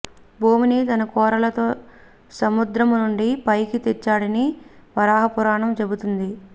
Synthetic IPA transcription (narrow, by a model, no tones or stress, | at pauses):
bʱuːminit̪ɐnɐkɔːɾɐlɐt̪oː | sɐmud̪ɾɐmnuɳɖipɐjkit̪ɛt͡ʃːaːɽɐniʋɐɾaːɦɐpuɾaːɳɐmt͡ʃe̞but̪und̪i